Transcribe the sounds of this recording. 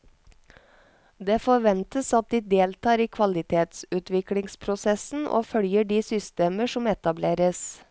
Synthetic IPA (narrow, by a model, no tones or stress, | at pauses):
d̪eːfɔʋɛnt̪əsɑt̪̚d̪iːd̪eːlt̪ʰɑːɾiːkʰʋɑlɪt̪ʰeːt̪sʉːt̪ʋɪklɪŋspʰɾʊsɛsn̩ʔo̰ːfœljəɖiːsʏst̪eːməʂɔmɛt̪ɑbleːɾəs